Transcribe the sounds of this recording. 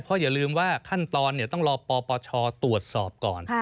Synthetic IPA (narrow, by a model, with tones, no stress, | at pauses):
pʰɔ˧˥jaː˨˩lɯː˧mwaː˥˩kʰa˥˩nt̪ɔː˧nːi˥˩t̪ɔ˥˩ŋɾɔː˧pɔː˧pɔː˧t͡ɕʰɔː˧t̪u˨˩ət̪̚sɔː˨˩p̚kɔ̰ː˨˩n˧